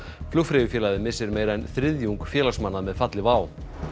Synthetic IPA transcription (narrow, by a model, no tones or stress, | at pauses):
flʏfɾɪjʏfjɛːlaðɪmɪsːɪɾmeːjɾaɛnθɾɪðjuŋkfjɛːlasmanːamɛðfat̪lɪvaːw